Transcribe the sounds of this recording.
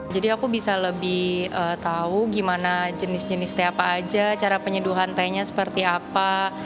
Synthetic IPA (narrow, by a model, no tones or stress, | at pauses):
d͡ʒadiakubisaləbɪhət̪auɡimanad͡ʒənɪsd͡ʒənɪst̪ajapaːd͡ʒat͡ʃaɾapəɲəduɦant̪ajɲasə̥pərt̪iapa